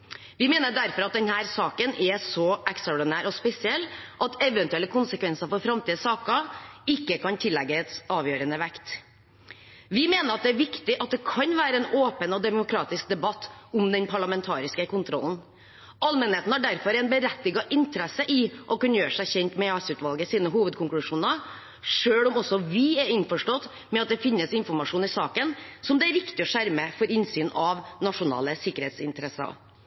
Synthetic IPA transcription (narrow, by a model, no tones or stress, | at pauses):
ʋɪmeːnəɖæɾfɔɾɑt̪̚d̪ɛnhæːɾsɑːkənɛsɔʔɛkst̪ɾɑɔɖɪnæːɾɔspɛsɪɛlːʔɑt̪ʰɛʋɛnt̪ʉɛlːəkʰʊnsəkʋɛnsəɾfɔɾfɾɑmt̪ʰiːd̪əsɑːkɑɪkːəkɑnt̪ʰɪlːɛɡːəɛt̪ɑːʋjøːɾənəʋækt̪ | ʋɪmeːnəɾɑt̪̚d̪ɛæːɾʋɪkt̪ɪʔɑt̪̚d̪ɛkʰɑnʋæːɾəɛnoːpənɔd̪ɛmʊkʰɾɑːt̪ɪsk̚d̪ɛbɑt̪ːʊmd̪ɛnpʰɑɭɑmɛnt̪ʰɑ̰ːɾɪskəkʊnt̪ʰɾɔ̰ln̩ | ʔɑlmənheːt̪n̩hɑɖæɾfɔɾɛnbəɾɛt̪ːɪɡɑʔɪnt̪əɾɛsəʔɪʔɔkɑnːəjøːɾəʂæɪçɛnt̪mɛɑsʉːt̪ʋɑlɡəsiːnəɦuːʋəd̪̚kʰʊŋklʉʂuːnɑ | ʂøːɽʊmɔsɔʋɪɛɾɪnfɔʂʈɔt̪ː | mɛɑt̪̚d̪ɛfɪnːəsɪnfɔɾmɑʂuːnɪsɑːkənsɔmd̪ɛæɾʋɪkt̪ɪɔʂæɾməfɔɾɪnsyːnɑʋnɑʂʊnɑ̰ːləsɪkːəɾheːt̪sɪ̰nt̪əɾɛsɑ̰